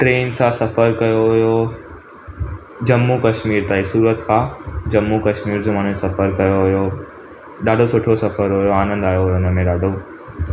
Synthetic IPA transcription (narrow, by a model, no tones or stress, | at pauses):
ʈɾeːnsãːsɐfəɾkɐjoɦʊjo | d͡ʑɐmːukɐʃmiːɾt̪aːisuːɾət̪kʰãːd͡ʑɐmːukɐʃmiːɾd͡ʑomaːnẽsɐfəɾkɐjoɦʊjo | ɗaːɖʱosʊʈʰosɐfəɾɦʊjoaːnə̃nd̪aːjoɦʊjoʊnə̆mẽɗaːɖʱo